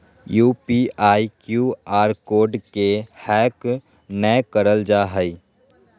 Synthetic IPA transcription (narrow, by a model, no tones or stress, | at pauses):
juːpiaːikjuaːɾkoːɾɖkehɛːk | nəjkəɾəld͡ʒaːɦəi